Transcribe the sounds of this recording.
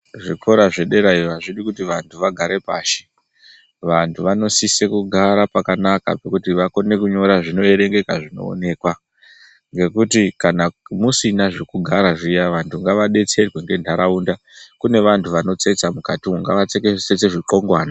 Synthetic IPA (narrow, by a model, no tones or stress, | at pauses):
ʐikʰo̞ɾaʐe̞ɗe̞ɾaiaʐiɗikutiʋantʰuʋaɡʱaɾe̞pa̰ːʃe̥ | ʋantʰuʋano̞sise̞kuɡʱaɾapakanaka̰pekutiʋako̞ne̞kuɲo̞ɾaʐino̞e̞ɾe̞ŋɡe̞kaʐino̞̰ːne̞ːkwa | ŋɡe̞kutikanamusinaʐe̞kuɡʱaɾaʐijaʋantʰuŋɡaʋaɗe̞t͡se̞rwe̞ŋɡe̞ndʱaɾaunda | kune̞ʋantʰuʋano̞t͡se̞t͡samukatiuŋɡa̰ʋat͡sekese̞t͡se̞ʐiǃo̞ŋɡwaːna